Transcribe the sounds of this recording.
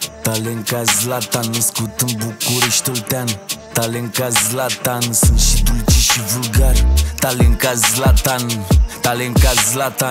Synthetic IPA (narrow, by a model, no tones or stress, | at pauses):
t̪aleŋkazlat̪anəskut̪əmbukuɾeʃt̪olt̪ɛnt̪aleŋkazlat̪ansɨnʃid̪ut͡ʃiʃivulɡaɾt̪aleŋkazlat̪ant̪aleŋkazlat̪a